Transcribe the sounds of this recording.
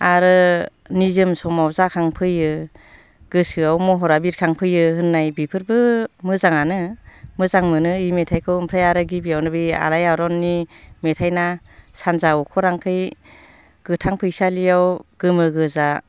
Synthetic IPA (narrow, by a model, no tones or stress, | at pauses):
aɾɯ | nizɯmsɔmawzakʰaŋpʰɯjɯ | ɡ̥ɯsɯawmɔɦɔɾabiɾ̚kʰaŋpʰɯjɯhɯnːajbipʰɯɾbɯmɯzaŋanɯmɯzaŋmɯnɯimetʰajkʰɯwɯmpʰɾajaɾɯɡibijawnɯbia̰lajaɾɔnːimetʰajna | sanzaɔkʰɔɾaŋkʰɯj | ɡ̥ɯtʰaŋpʰɯjsalijawɡ̥ɯmɯɡɯza